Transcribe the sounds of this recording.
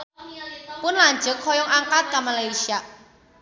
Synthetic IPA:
pʊnlaɲd͡ʒʊk̚hɔjɔŋʔaŋkat̪̚kamalajsiaʔ

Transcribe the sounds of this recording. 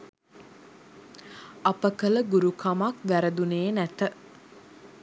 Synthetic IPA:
apəkələɡuɾukʰamakʋæɾəd̪uneːnæt̪ə

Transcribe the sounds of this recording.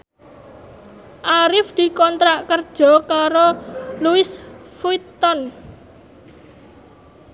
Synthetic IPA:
ʔaɾɪfd̪̥i̤kɔnt̪ɾaʔkərd̥ʒ̥ɔ̤kaɾoluɪsfuit̪ɔn

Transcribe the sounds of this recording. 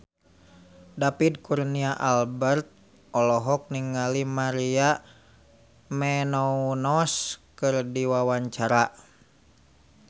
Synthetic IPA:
dapid̚kuɾniaʔalbɛrt̪̚ | ɔlɔɦɔk̚niŋalimaɾia | mɛnɔunɔskɨrdiwawaɲt͡ʃaɾa

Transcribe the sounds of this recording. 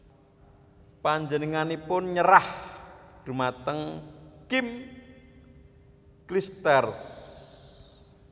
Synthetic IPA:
paɲd͡ʒənəŋanipʊnɲəɾahd̪̥ṳmat̪əŋkim | klist̪ɛrs

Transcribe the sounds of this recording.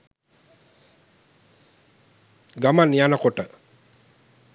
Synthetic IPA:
ɡamanijanəkoʈə

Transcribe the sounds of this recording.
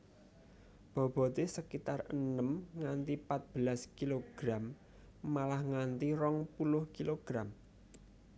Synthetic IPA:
b̥ɔ̤b̥ɔ̤t̪esəkit̪arənəmŋant̪ipat̪̚b̥əlaskiloɡ̥ɾamː | alahŋant̪iɾɔŋpulʊhkiloɡ̥ɾam

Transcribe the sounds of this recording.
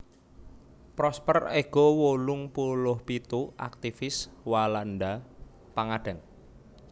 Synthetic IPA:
pɾɔspəreɡ̥ɔwolʊŋpulʊhpit̪uʔa̰k̚t̪ifɪswaland̪a | paŋaɖ̥əŋ

